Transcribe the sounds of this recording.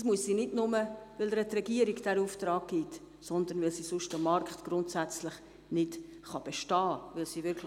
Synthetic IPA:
smuəssiːnɪdnʊməʋɪləɾɛt̪ɾɛɡiəɾiɡd̥ɛɾuːft̪ɾɑːk̚ɡ̥iːt̪ | sɔnd̪ənʋɪlsiːsʊʃtəmɑrkχtɡ̥ɾʊntsæt͡slɪχ | nɪt | χɑb̥eʃtɑːvʋɪlsiːʋɪɾkʰl

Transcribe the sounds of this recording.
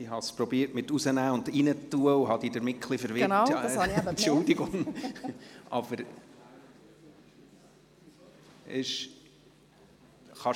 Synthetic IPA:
iɦɑspɾɔbiːɾtmɪtusənæːʊndinətːuəʊɦɑd̥̪idəɾmɪtkʰlifəɾʋɪn | ʊld̪iɡʊŋ | ʔɑb̥əɾ | ɪʃ | χɑ

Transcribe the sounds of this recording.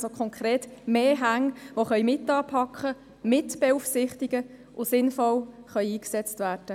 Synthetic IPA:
sokʰχɔŋkʰɾeːtmeːɦæŋʋoχœʏmɪtɑːpʰɑkχə | mɪtb̥eufsɪχt̪iɡ̥ə | ʔʊsɪnfɔl | χœʏiːksɛt͡stvæːɾd̥ə

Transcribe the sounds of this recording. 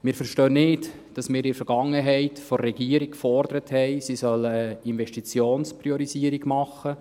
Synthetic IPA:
mɪːɾfəɾʃtœːnnɪt | d̥ɑsmɪːɾɪfəɾɡɑŋːəɦɛɪtfɔːɛɡ̥iəɾikkfɔrdəɾəthɛɪsisœləinvɛʃtit͡sjoːnspɾiɔɾiziəɾiɡmɑχːə

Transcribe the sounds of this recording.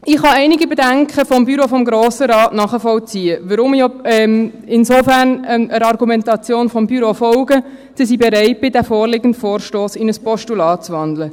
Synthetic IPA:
ɪχhɑɛɪnɪɡəbɛdæŋkχəfɔmbyɾofɔmɡɾoːsəɾɑːtnɑːχəfɔlt͡siːəʋəɾʊmjɔɛm | ɪnsofæɾnɛəɾɑrɡumɛntɑt͡sjoːnfɔmbyɾofɔlɡə | sis̬ibɛɾɛɪt̚b̥ɪdæfoːrlɪɡəntfoːɾʃtoːsɪnəspɔʃtulɑːtt͡svɑnd̪lə

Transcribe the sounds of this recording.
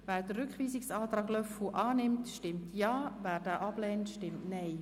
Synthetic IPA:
væːdərɾʏkχʋiːsɪksaːtɾaːɡlœfuʔɑːnɪmtʃtɪmtʰjɑːvæːɾd̥æːʔɑb̥lɛːntʃtɪmtnɛɪ

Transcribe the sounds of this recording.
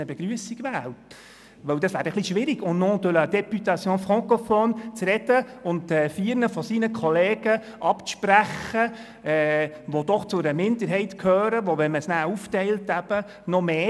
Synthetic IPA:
əbɛɡ̥ɾyəsiɡʋæːlt | ʋœwd̥ɑsʋæːɾəχliʃʋɪɾiɡ̥ʊnnɔdøləd̪ɛpyt̪ɑt͡sjoːnfʁɔŋkɔfɔnt͡sɾɛd̥əʊntɛːfiːəɾnəfɔsiːnəkʰɔleːɡ̥ə | ʔɑpʃpɾæχə | ɛː | ʋod̥̪ɔχt͡sʊɾəmɪnd̪əɾɦɛɪtkʰøːɾəʋɔʋɛməsnæːuftɛɪltæb̥ə | nɔmeː

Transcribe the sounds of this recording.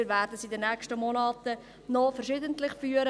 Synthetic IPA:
ɾʋæːrdəsidənːɛkʃtəmɔnɑːtə | nɔfərʃɪd̪əntlɪχfyːəɾə

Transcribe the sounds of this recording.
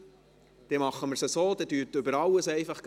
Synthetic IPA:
d̥ɛmɑχːəməsəsoːd̪ɛdyːtʏbəɾɑwəsɛɪfɑχɡ̥

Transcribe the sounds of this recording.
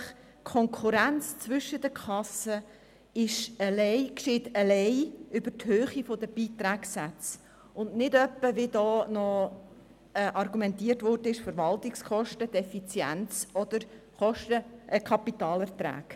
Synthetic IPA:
χ | kʰɔŋkʰuɾænt͡st͡sʋʏʃːəd̪əkʰχɑsə | ɪʃəlɛɪkʃɪtəlɛɪʏb̥əɾthøːχifod̥̪əb̥iːt̪ɾæːksæt͡s | ʊndnɪdœpːəʋid̪ɔːnɔ | ɛʔɑrɡumɛntiːtʋɔrdəɪʃfəɾʋɑltɪkskʰɔʃtəd̥ɛfit͡sjæ̰nt͡sɔd̥̪əɾ | χɔʃtəʔkʰɑpitɑːlɛɾt̪ɾæ̰ːɡ̥

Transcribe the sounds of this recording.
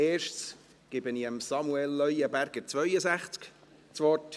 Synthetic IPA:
eːʃts | ɡ̥ɪbəniəmsɑmuɛlːœjəbæɾɡ̥əɾt͡svœʏəsæχt͡sk | t͡sʋɔt

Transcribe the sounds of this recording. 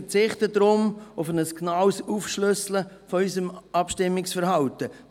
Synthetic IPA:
t͡sɪχtədɾʊmʊfənəsknawsuːfʃlʏslə | fɔysəmʔɑpʃtɪmːɪksfəɾhɑʊtə

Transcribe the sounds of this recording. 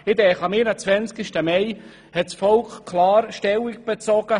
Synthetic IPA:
ɪd̪ɛːχɑmiɾət͡svɛnt͡skɪʃtəmɛɪ | hɛtsfɔlkkʰlɑːɾʃtɛwikb̥et͡sɔɡ̥ə

